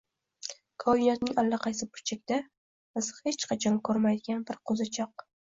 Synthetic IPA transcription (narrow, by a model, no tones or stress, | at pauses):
kʰɒɪnɒt̪nɪŋalːaqʰɑjsɪbɪɾt͡ʃʰek̚ʲd̪̥a | mɨzhet͡ʃqʰɑt͡ʃʰɒmkʰɵɾmajd̪ɪɡʲanbɪɾqʰozɪt͡ʃʰɒq̚